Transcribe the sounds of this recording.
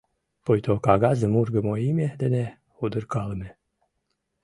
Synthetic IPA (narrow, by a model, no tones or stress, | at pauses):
pojt̪okaɡazəmurɡəmoimʲed̪ene | ud̪əɾkalˠme